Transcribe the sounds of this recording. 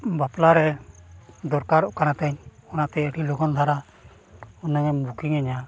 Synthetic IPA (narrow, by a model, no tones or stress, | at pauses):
baplaɾɛ | d̪ɔɾkaɾɔʔkanat̪aɲɔnat̪ɛəʈilɔkʰɔnd̪ʱaɾa | ɔnɛŋɛbukiŋɛɲa